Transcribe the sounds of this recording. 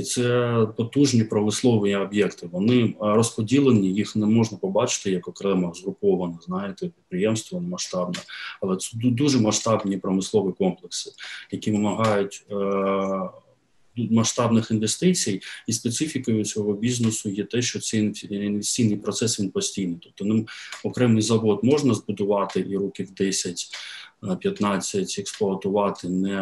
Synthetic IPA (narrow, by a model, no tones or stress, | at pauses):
t̪sɛpɔt̪uʒnʲipɾɔmɪslˠɔʋɪiɔbʲjɛkt̪ɪʋɔnɪrɔspɔdʲilˠenʲijixnɛmɔʒnɐpɔbɑt͡ʃɪ̥t̪ɪjɐkɔkɾɛmɐzɦɾʊpɔʋɐnɐznɑjɪt̪ɛpʲid̪̚pɾɪjɛmst̪ʋɐnɪmɐʃt̪ɑbnɛɐlˠɛt̪ɛd̪uʒɛmɐʃt̪ɑbnʲipɾɔmɪslˠɔʋɪkɔmplˠeksɪ̥jɐkʲiʋɪmɐɦɑjʊtʲ | mɐʃt̪ɑbnɪxinʋest̪ɪt͡sʲijispet̪sɪfʲikɔjʊsʲɔɦɔbʲiznesʊjɛt̪ɛʃt͡ʃɔt̪sɛinʋesʲt͡sʲijnɪjpɾɔt̪sɛsʋʲinpɔsʲtʲijnɪjt̪ɔp̚t̪ɔnɪmɔkɾɛmnɪjzɐʋɔd̪mɔʒnɐzbʊd̪ʊʋɑt̪ɪʔiɾukʲiwd̪ɛsʲɐtʲ | pʲjɐt̪nɑt͡sʲːɐtʲɛksplˠɔɐt̪ʊʋɑt̪ɪnɛ